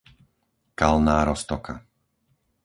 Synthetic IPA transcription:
kalnaːɾɔst̪ɔka

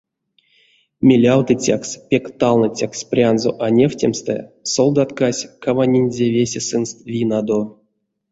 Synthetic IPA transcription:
mʲilʲalt̪ɨt͡sʲaksʲpʲekt̪alˠnɨt͡sʲaksʲprʲanzo̰ʔanʲefʲtʲemst̪ɛ̰solˠd̪at̪kasʲkavanʲinʲzʲevʲesʲesɨnst̪vʲinad̪o

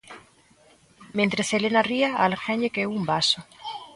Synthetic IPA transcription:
ment̪ɾeselenariaalxeɲekeumbaso

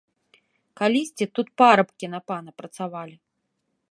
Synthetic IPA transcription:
kalʲisʲt͡sʲit̪ut̪paɾɐpkʲinɐpanɐpɾɐt̪savalʲi

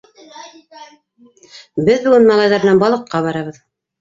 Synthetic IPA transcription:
bɘðbɵ̆ɡɘnmɑlˠɑjðɑɾɤ̆nɑnbɑlˠɤ̆qːɑβɑɾɑβɤ̆ð

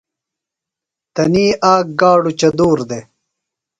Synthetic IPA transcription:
t̪ɐniːʔaːk̚ɡaːɖut͡ɕɐd̪uːɾd̪e

